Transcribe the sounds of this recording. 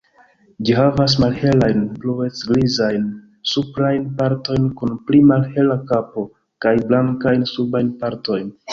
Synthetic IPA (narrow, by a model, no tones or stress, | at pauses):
d͡ʒiɦavas̬malhe̞lajnplue̞t͡sɡlizajn | supɾajnpaɾto̞jnkunplimalhe̞lakapo̞ | kajblaŋkajnsubajnpaɾto̞jn